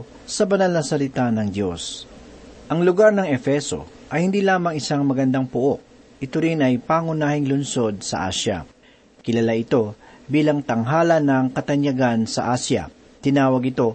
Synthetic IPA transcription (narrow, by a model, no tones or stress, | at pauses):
sɐbɐnalnɐsɐlɪt̪anɐŋd̪jo̞s | ʔɐŋlʊɡaɾnɐŋɛfɛso̞̰ | ʔɐjhɪnd̪iːlaːmɐŋɪsaŋmɐɡɐnd̪aŋpʊʔo̞ʔ | ʔɪt̪oɾɪnɐjpaŋʊnaːhɪŋlʊnso̞d̪̚sɐ̰ʔa̰ːʃjɐ̰ | kɪlɐlaʔɪt̪o̞biːlɐŋt̪ɐŋɦaːlɐnːɐŋkɐt̪ɐɲjɐɡansɐʔaːsjɐ̰ | t̪ɪnaːwɐɡɪt̪o̞